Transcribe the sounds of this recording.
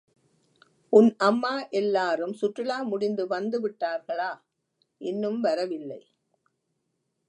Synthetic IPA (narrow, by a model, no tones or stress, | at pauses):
ʔʊnʔɐmːaːʔɛlːaːɾɯmsʊʈrɪɭaːmʊɽɪnd̪ɯʋɐnd̪ɯʋɪʈːaːɾɣɐɭaː | ʔɪnːɯmʋɐɾɐʋɪlːɐɪ